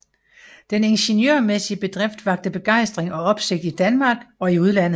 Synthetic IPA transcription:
d̥ene̝nɕenjøɐmesiəb̥e̝d̥ʁefd̥ʋɑ̈ɡ̥̚d̥əb̥e̝ɡ̥ɑ̈ɪ̰sd̥ʁeŋɒ̽ɒ̽b̥se̝ɡ̥̚d̥id̥ænmɑ̈ːɡ̥ɒ̽iuð̞ˠlæn̰ðˠ

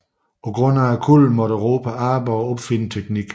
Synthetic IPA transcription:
pʰɒ̽ɡ̥ʁɔn̰æːkʰulmɒ̽ɾ̥əʁoːpʰæɑ̈ːbɐɒ̽b̥fe̝nət͡sʰeɡ̥niɡ̥

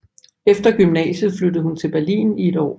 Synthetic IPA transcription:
efd̥ɐɡ̥ymnɛ̰ːɕð̩ˠflød̥əð̞̩ˠhunt͡sʰe̝lb̥æɐlḭːnie̝d̥ɒ̰ː

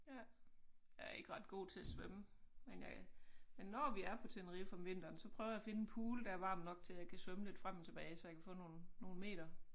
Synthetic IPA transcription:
jæ | jæɐe̝ɡ̥ʁɑ̈d̥ɡ̥o̝̰ːt͡sʰe̝æsʋøməmenjɑmenːɒʋiæɐpʰɒ̽t͡sʰenɐʁifɒmʋe̝n̰d̥ɐːnsɒ̽pʰʁœːʊɐjæfe̝nəen̩pʰuːləd̥ææɐʋɑ̈ːmnɒ̽ɡ̥̚t͡sʰe̝jɑ̈ɪkʰæsʋœməled̥fʁamt͡sʰeb̥ɛːɪsɒjɑkʰæfɔ̰̽ːno̝ːnːo̝ːn̩me̝̰ːd̥ɐ

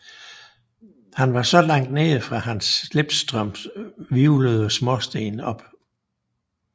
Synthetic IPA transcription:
hænʋɑ̈sɒ̽lɑ̈ŋ̰d̥neːfʁɑ̈hænsleb̥sd̥ʁœm̰ʋiʊləðˠsmɒsd̥e̝̰ːnɒ̽b̥

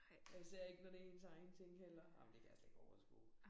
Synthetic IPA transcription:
jase̝ɐ̰e̝ɡ̥ənɒɾ̥e̝e̝nsɑ̈ɪnt͡sʰeŋ̰ɡ̥helɐɑ̰mnd̥e̝kʰæjælsle̝ɡ̥ɒʊɐsɡ̥o̰ː

